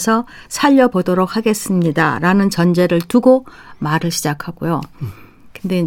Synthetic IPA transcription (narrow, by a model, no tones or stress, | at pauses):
sʰʌ | sʰaʎːʌbodoɾok̚haɡe̞s͈ɯmɲida̰ɾanɯnt͡ɕʌnd͡ʑe̞ɾɯɭtuɡo | maɾɯɭɕʰid͡ʑakʰaɡ̥ojo | kɯnde̞